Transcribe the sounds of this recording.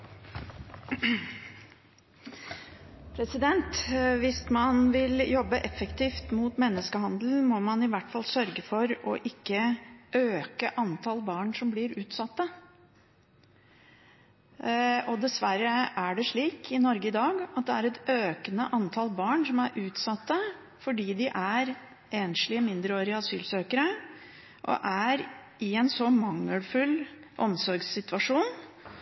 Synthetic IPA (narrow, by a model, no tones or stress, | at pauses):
pʰɾɛsɪd̪ɛnt̪ʋɪsmɑnʋɪljɔbːəʔɛfːəkt̪ʰiːft̪muːt̪mɛnːəskəɦɑnd̪l̩mɔmɑnɪʋæʈːfɑlsœɾɡəfɔɾɔ̰ʔɪkːəʔøːkəʔɑnt̪ʰɑlbɑːɳsɔmblɪɾʉːt̪sɑt̪ːə | ɔd̪ɛsʋæɾəʔæɖɛʂɭiːkʰɪnɔɾɡəɪd̪ɑːɡɑt̪̚d̪ɛæɾɛt̪øːkənəʔɑnt̪ʰɑlbɑːɳsɔmæɾʔʉːt̪sɑt̪ːə | fɔɖiːd̪ɪʔæɾ | ʔeːnʂɭɪmɪnd̪ɾəoːɾɪəɑsyːlsøːkəɾə | ʔɔ̰ʔæɾ | ɪɛnsɔmɑŋːəlfʉlʔɔ̰msɔɾɡsɪt̪ʋɑʂuːn